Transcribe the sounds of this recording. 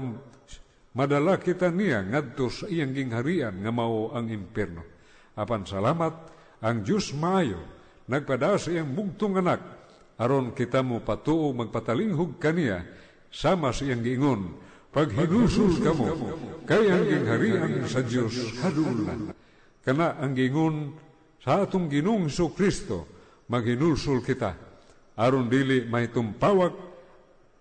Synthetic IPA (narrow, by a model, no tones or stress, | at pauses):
madalakit̪aniaŋad̪̚t̪osaijaŋɡiŋɦaɾianŋamaoaŋimpɛrno | apansalamat̪̚ | aŋd͡ʒusmaajo̰ | naɡ̚padaasaiaŋbuɡ̚t̪ʊŋanak̚ | aɾonkit̪amupat̪uʔumaɡ̚pat̪aliŋɦʊɡ̚kania̰ | samasaiaŋɡiiŋon | paɡɦinulsʊlkamukajaŋɡiŋɦaɾiansad͡ʒiosana̰ | kanaʔaŋɡiiŋɔn | sat̪uŋɡinuŋhsukɾist̪o̰ | maɡhinulsʊlkit̪a̰ | aɾɔndilimaɦit̪umpawak̚